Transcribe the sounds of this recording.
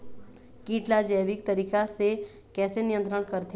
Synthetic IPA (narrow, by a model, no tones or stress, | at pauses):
kiːʈlad͡ʒəːʋik̚t̪ɐɾiːkase | kɛːsenɪjə̃nt̪ɾəɽ̃kəɾt̪ʰ